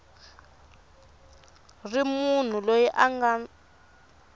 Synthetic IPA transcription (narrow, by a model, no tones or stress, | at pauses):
rimun̤ulojiʔaŋɡa